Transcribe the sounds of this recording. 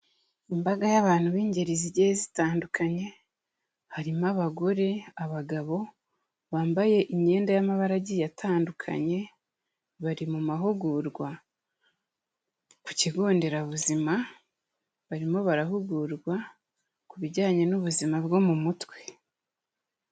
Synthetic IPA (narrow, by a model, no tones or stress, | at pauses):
imbaɡajaβaːn̥huβiːɲɟe̞ɾiziɾɟejezitaːndukʰaɲe̞ | haɾimaβaɡo̞ɾe̞aβaɡaβo̞ | βaːmbaje̞ʔiɲe̞ːndajamaβaɾaɟijatʰaːndukʰa̰ɲe̞ | βaɾimumaɦuɡuɾɡwa | ku̥ciɡoːnde̞ɾaβuzima | βaɾimo̞βaɾaɦuɡuɾɡwa | kuβiɟaːɲe̞nuβuzimabɡo̞mumutwe̞